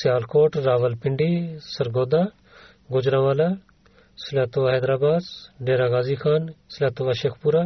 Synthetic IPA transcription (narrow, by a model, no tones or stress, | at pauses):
sjaːlkoːʈɾaːʋəlpɪɳɖiːsɐɾɡoːd̪aː | ɡod͡ʒɾãːʋaːlaː | sɪlaːt̪oʋaːɦɛːd̪ɾaːbaːd̪ɖeːɾaːɡaːziːxʰaːnsɪlaːt̪oʋaːʃeːkʰpuɾaː